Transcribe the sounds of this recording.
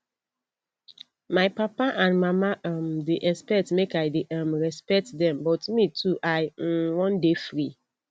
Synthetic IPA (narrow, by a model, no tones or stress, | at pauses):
maɪpapaʔãndmamaʔãmdeʔɛspɛktmekaɪdeʔãmɹɛspɛk̚tdɛ̃mbɔtmitʰuʔaɪwɔ̃ndefɹi